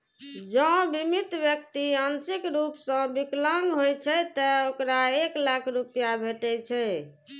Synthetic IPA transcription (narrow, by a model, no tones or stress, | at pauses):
d͡ʒə̃bimit̪bjək̚t̪iənsikɾupsə̃bikləŋɡɦojt͡ʃʰɛt̪əokɾaeklakʰɾupjabʱeʈɛt͡ʃʰɛ